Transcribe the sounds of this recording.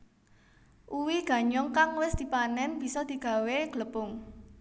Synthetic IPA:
ʔuwiɡ̥ä̤ɲɔŋkaŋwɪsd̪̥i̤panɛnb̥i̤sɔd̪̥i̤ɡ̥ä̤weɡ̥ləpʊŋ

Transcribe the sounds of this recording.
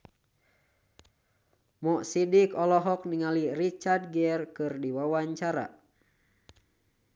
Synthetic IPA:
mɔʔsidikɔlɔɦɔk̚niŋalirit͡ʃard̚ɡɛrkɨrdiwawaɲt͡ʃaɾa̰

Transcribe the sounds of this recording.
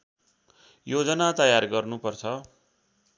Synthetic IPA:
jod͡zʌnat̪ʌjarɡʌrnupʌrt͡sʰʌ

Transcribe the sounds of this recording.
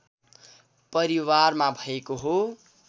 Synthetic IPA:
pʌɾiwarmabʱʌekoɦo

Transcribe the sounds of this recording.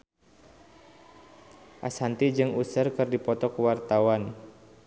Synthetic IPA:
ʔashant̪id͡ʒɨŋusərkɨrdipɔt̪ɔkəwart̪awan

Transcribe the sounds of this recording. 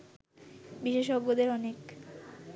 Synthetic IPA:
biʃeʃɔɡːod̪eɾɔnek

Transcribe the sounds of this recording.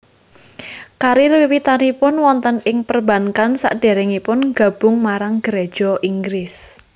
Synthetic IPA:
kaɾiriwit̪anipʊnwɔnt̪ənɪŋpərbä̤ŋkansa̰ʔɖ̥ɛɾɛŋipʊnɡä̤b̥ʊŋmaɾaŋɡ̥əɾed̥ʒ̥ɔʔiŋɡɾɪs

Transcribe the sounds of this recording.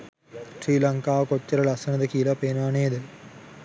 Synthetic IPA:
sriːlɐŋkaːkot͡ɕːɐɾɐɭɐsɐnɐd̪ɐkiːlɐpeːnaːneːd̪ɨ

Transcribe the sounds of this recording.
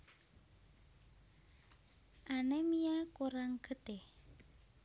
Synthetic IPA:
ʔanemijakuɾaŋɡ̥ət̪e

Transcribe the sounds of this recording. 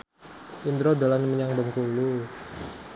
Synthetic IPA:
ind̪ɾod̪alanməɲaŋbəŋkulu

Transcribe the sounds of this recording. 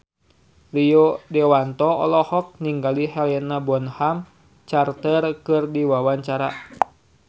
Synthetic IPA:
riɔdɛwant̪ɔɔ̰lɔhɔk̚niŋɡalihɛlɛnabɔnham | t͡ʃart̪ərkɨrdiwawaɲt͡ʃaɾa

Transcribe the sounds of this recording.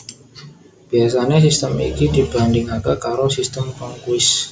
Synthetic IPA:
b̥ias̬aɲas̬ist̪əmḭkidi̤bandɪŋaɡakaɾosist̪əmkɔŋkuɪs

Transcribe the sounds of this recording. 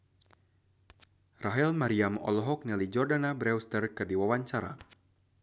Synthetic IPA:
raɦɛlmaɾiamɔ̰lɔɦɔk̚nilid͡ʒɔrdanabɾɛwst̪ərkɨrdiwawaɲt͡ʃaɾa̰

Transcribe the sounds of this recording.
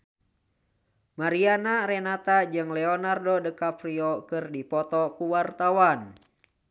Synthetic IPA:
maɾianaɾɛnat̪ad͡ʒɨŋlɛɔnardɔdəkapɾiɔkɨrdipɔt̪ɔkuwart̪awan

